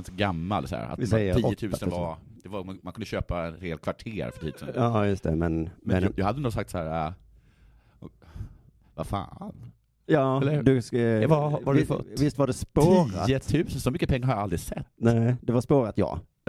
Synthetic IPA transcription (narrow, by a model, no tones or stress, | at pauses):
nt̪ɡamːa̰lsɔæ̰ːɾa̰t̪ɪɛjjːəɾiːɔːət̪ʰʉ̟ːsəvad̪̥ɛvaɾmamankɵnd̪əɕøːpaɛnɾeːlkʰvaʈʰḛːɾfœʈ̪ʰiːd̪ʉsnɑːjɵst̪ʰɛmɛnmɛnjɑːhad̪ənd̪osak̚t̪sahæːɾa | vafa̰ːn | jɑːɛlːəd̪ɵsvavafɔ̰vɪst̪vaɖɛspoːɾatːət̪ʰʉ̟ːsənsɔmʏkːəpʰɛŋːaɾhaɾjaalɾɪsɛt̪ːnæːd̪ɛvaɾspoːɾat̪jɑ̰ː